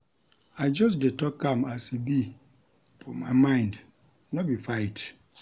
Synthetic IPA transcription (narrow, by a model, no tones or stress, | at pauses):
aɪd͡ʒɔs̬detʰɔkʰːãmasebi | fʰɔmaɪmãɪ̃nd | nɔbifaɪt